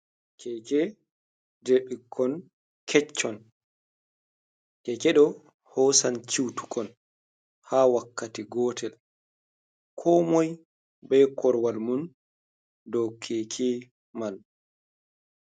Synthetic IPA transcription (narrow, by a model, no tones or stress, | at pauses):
kʰɛkɛ | deɓikʰːɔn | kʰɛt͡ʃːɔn | kɛkɛɗɔ | hɔːsant͡ʃiwtu̥kʰɔn | haːwakːatiɡɔːtʰɛl | kʰɔmɔj | bɛkʰɔɾwalmun | dɔwkʰɛːkʰɛ | mal